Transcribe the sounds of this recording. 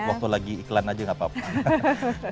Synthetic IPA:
wak̚t̪ulaɡiiklanad͡ʒəŋapapa

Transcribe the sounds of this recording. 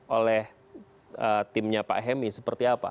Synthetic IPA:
ʔolɛh | ət̪ɪmɲapa̰ʔɦɛmisəpərt̪iapa̰

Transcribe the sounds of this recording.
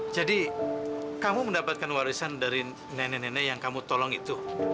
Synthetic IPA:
d͡ʒadi | kamuməndapat̪̚kanwaɾisandaɾi | nɛnɛnɛnɛjaŋkamut̪ɔlɔŋit̪u

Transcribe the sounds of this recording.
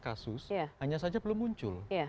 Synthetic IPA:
kasʊsjahaɲasad͡ʒabəlʊmːuɲt͡ʃʊlja

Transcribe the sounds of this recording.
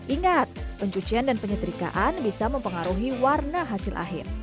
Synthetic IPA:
ʔiŋat̪̚pəɲt͡ʃut͡ʃiandanpəɲət̪əɾika̰ʔanbisaməmpəŋaɾuɦiwarnaɦasɪlʔa̰ɦɪ̰r

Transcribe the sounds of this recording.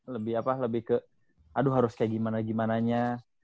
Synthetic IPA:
ləbɪhapaləbɪhkə | aduɦaɾʊskaɡimanaɡimanaɲa

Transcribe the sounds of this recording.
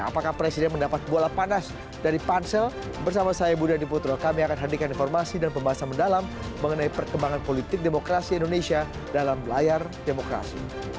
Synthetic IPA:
a̰pakahpɾesidɛnməndapat̪̚bolapanas | daɾipansɛl | bərsamasajabudadiput̪ɾɔlkamiakanɦədikaninfɔrmasidanpəmbaɦasanməndalamː | əŋənaipərkəmbaŋanpolit̪ɪk̚demokɾasiindonesia | dalamlajar | demokɾa̰si

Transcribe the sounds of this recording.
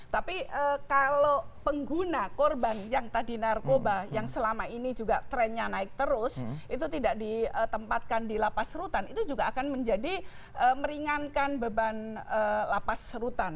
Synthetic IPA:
t̪apiəkalo | pəŋɡunakɔrbanjaŋt̪adinarkobajaŋsəlamainid͡ʒuɡat̪ɾɛnɲanaɪk̚t̪əɾʊsʔit̪ut̪idaʔdiət̪əmpat̪̚kandilapasɾut̪anit̪ud͡ʒuɡaːkanməɲd͡ʒadi | ʔəːməɾiŋankanbəbanəlapasɾut̪an

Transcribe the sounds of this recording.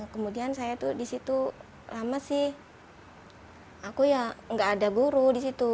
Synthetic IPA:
kəmudiansajat̪udisit̪u | lamasɪh | akujaŋɡaʔːdaɡuɾudisit̪u

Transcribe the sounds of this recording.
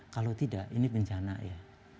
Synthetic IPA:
kalot̪idaʔḭnibəɲt͡ʃana̰ja

